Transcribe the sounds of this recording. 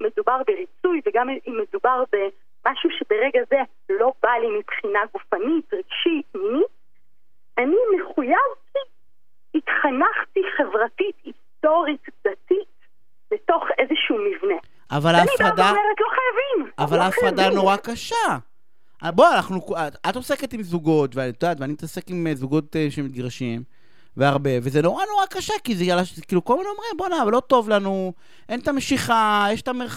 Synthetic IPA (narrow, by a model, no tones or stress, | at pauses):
me̞dubaʁbeʁit͡sujveɡammedubaʁbe̞ | maʃuʃebeʁeɡaze̞ | lo̞balimipχinaɡufanitʁiɡ̥ʃitminit̚ | anime̞χujavki | itχanaχtiχe̞vʁatitisto̞ʁitdatit | beto̞χe̞zeʃuːmivne̞ | ʔavalanifadameʁet̪loχajavimavalaːfadano̞ʁakaʃa | bo̞anaχnukatat̪ose̞ket̪imzuɡo̞tveanit̪udaːt̪veanimit̪ase̞kimzuɡo̞t̪eʃemit̪ɡʁaʃim | veaʁbe̞vezeno̞ʁano̞ʁakaʃakizejalaʃekiːlukolminomʁimbonaavlo̞to̞vlanu | ʔent̪ameʃiχajeʃe̥t̪ameʁ